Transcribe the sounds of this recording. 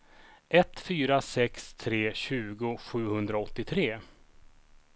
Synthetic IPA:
ʔɛt̪fyːɾasɛkst̪ʰɾeːɕʉ̟ːɡʊɧʉ̟ːhɵnd̪ɾaɔt̪ːɪt̪ʰɾeː

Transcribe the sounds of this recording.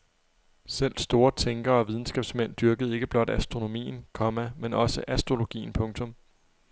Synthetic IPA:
sel̰̥sd̥o̝ːɐt͡sʰeŋɡ̥ɐɒ̽ʋið̞ˠn̩sɡ̥ɛb̥smen̰d̥yɐɡ̥əð̞̩ˠe̝ɡ̥əb̥lɒ̽d̥æsd̥ʁo̝no̝mḭːn̩kʰɒ̽mæmenɒ̽səʔæsd̥ʁo̝lo̝ɡ̥ḭːn̩pʰɔ̽ŋt͡sʰɔ̽m

